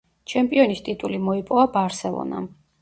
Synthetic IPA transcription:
t͡ʃʰɛmpʼiɔnist̪ʼit̪ʼulimɔipʼɔvabaɾsɛlˠɔ̰na̰

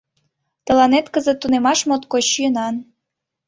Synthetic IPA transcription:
t̪ə̆lɑnet̪kəzə̆t̪ːunemɑʃmot̪koɕiənɑn

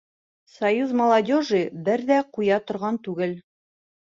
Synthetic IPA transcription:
sɐjuzmɐlˠɐdʲoʒɨbɘɾðæqujɑt̪ŏɾʁɑnt̪ʉɡɘl

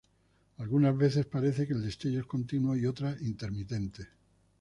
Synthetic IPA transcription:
alɣunazβe̞θe̞spaɾe̞θe̞keld̪est̪eʎoesko̞nt̪inwoio̞t̪ɾaʔint̪e̞ɾmit̪e̞nt̪e̞

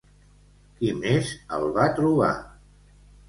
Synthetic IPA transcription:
kimezə̰lˠβat̪ɾuβa̰

